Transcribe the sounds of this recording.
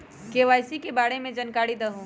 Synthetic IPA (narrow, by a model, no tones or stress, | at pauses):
keːʋaːjsikebaːɽemẽd͡ʒɐnkaːɽid̪ɐɦũː